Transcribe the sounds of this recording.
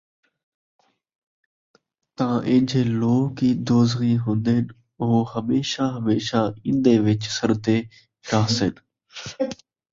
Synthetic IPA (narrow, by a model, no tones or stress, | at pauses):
t̪ãʔẽːɲd͡ʒʱeːloːɦkiːd̪oːzɣiːɦʊ̃nd̪en | ʊɦohəmeːʃaɦəmeːʃaɪ̃nd̪eːʋɪt͡ʃsəɾt̪eː | ɾaːsɪn